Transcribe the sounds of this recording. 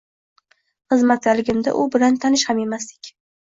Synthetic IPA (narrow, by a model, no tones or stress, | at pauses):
χɨzmat̪zalɪɡʲɪmd̪a̰ʔʊbɪlant̪ʰanɪʃhame̞masd̪ɪkʲ